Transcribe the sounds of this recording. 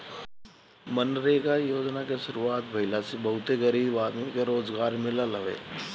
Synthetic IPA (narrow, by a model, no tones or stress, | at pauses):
mənɾɐɦeɡajoːd͡ʒnakeʃʊɾuaːt̪bʱɐɪlasebɐɦʊt̪eɣɐɾiːbaːd̪mikeɾoːzɡaːɾmɪlaləʋḛː